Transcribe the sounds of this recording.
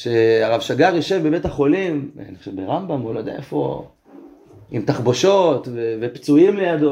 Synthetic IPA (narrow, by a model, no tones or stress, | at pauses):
ʃeaʁavʃaɡaʁjiʃevbebetaχo̞lim̰niχoʃevbeʁambamolojd̪ḛa̰ʔefo̞̰ | imtaχboʃot̪vevept͡suimlejad̪o